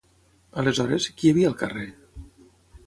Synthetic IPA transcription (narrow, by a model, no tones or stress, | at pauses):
əlezɔɾeskiaβiaːlˠkare